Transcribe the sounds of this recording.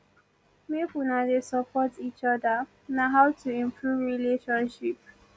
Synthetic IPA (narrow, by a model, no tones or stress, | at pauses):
mefunadesəpʰɔtit͡ʃɔdə | naɦaʊtʰuɪ̃mpʰɹuvɹileʃɔ̃nʃip̚